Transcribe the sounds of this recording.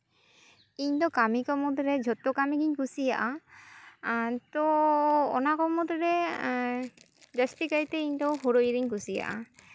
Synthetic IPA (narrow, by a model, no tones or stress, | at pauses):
iɲd̪ɔkamikɔmud̪ɾɛd͡ʒʱɔt̪ːɔkamiɡiɲkusijaʔa | t̪ɔɔ̰nakɔmud̪ɾɛ | d͡ʒasʈikaɾt̪ɛiɲd̪ɔɦoɾoiɾiɲkusija̰ʔa̰